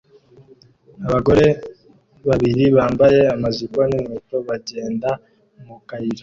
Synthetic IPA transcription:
aβaɡo̞ɾe̞ | βaβiɾiβaːmbaje̞amazikoneneto̞βaɟe̞ːnda | mukaiɾo

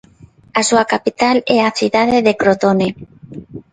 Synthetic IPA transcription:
asuakapit̪alɛaθiðað̞eðekɾot̪one

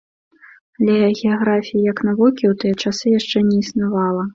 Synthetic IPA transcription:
alʲɛɐɣʲɛjaɣɾafʲijijɐknavɔkʲiwt̪ɨjɐt͡ʂasɨjaʂt͡ʂɛnʲɛisnavalˠɐ

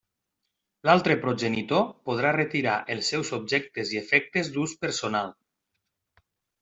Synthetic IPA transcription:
lalˠt̪ɾəpɾoʒenit̪opoð̞ɾaret̪iɾaʔelˠsːɛwzob̚ʒɛk̚t̪eziefɛk̚t̪ezd̪uspəɾsonalˠ

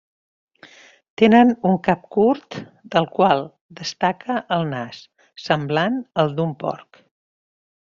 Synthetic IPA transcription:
t̪enənuŋkap̚kuɾt̪ | d̪əlˠkwalˠ | d̪əst̪akʰəʔəlˠnasː | əmblanəlˠd̪umpɔ̰ɾk

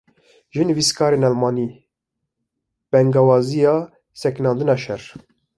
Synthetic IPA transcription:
ʒɨnɨviskʰɑːɾeːnɑlmɑːniː | b̥ɛŋɡɑwɑːzijɑː | sɛknɑːnd̪ɨnɑːʃɛɾ

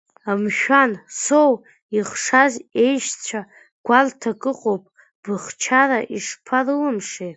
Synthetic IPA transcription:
amʃᶣansow | iχʂaze̞jʃt͡ɕʷʰa | ɡ̥ʷaltʰakʼɨqʼowpʼ | b̥ɨχt͡ʃʰaraʔiʂpʰalɨlɨmʂe

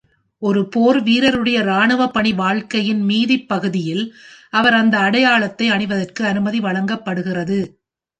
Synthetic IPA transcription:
ɔɾɯpoːɾʋiːɾɐɾɯɽɐjɐɾaːɳɯʋɐpːɐɳiʋaːɭkɐjɪnmiːðɪpːɐɣɯðɪjɪlɐʋɐɾɐnd̪ɐːɽɐjaːɭɐt̪ːɐɪɐɳɪʋɐðɐrkɯɐnɯmɐðiʋɐɭɐŋɡɐpːɐɽɯɣɪrɐðɯ

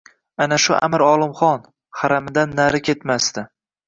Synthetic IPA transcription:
anaʃʊʔa̰mɪɾɒlˠɪmχɒn | χaɾamɪd̪anːaɾɪkʲʰe̞t̪mast̪ɪ

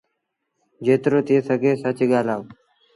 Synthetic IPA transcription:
d͡ʒeːt̪ɾoːt̪ieːsəɡʱeːsət͡ʃːɠaːlaːʋ

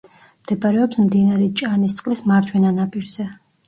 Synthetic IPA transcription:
md̪̥ɛbaɾɛɔpsmd̪inaɾɛt͡ʃʼanist̪sʼqʼlɛsmaɾt͡ʃwɛnanapʼiɾz̥ɛ

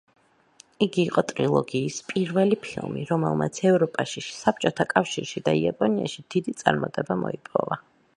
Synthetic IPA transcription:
iɡiːqʼɔt̪ʼɾilˠɔ̰ɡiːspʼiɾvɛlipʰilˠmḭɾɔmɛ̰lˠmʔa̰t̪sʰɛvɾɔpʼaʃisap̚ʰt͡ʃʼɔt̪ʰakʼafʃiɾʃid̪aiapʼɔnia̰ʃid̪̥id̪it̪sʼaɾmat̪ʼɛbamɔipʼɔ̰va

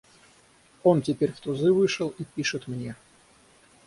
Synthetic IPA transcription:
o̞ntʲɪpʲeɾʲft̪ʊzɨvɨʂəlˠipʲiʂɨt̪mnʲe

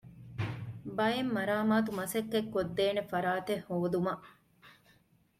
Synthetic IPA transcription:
bɐemːɐɾaːmaːt̪umɐsɐkːekːod̪ːeːnefɐɾaːt̪ehhoːd̪umɐʔ

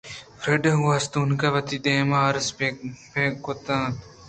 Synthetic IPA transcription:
fɾeɖɐuast̪uːnkɐʋɐt̪iːd̪eːmaːɾspekot̪ãːt̪

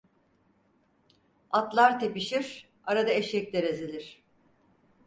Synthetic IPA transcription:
at̪lˠaɾt̪ʰepiʃiɾ̥ | aɾad̪aeʃɛclʲeɾezilʲiɾ̝̥

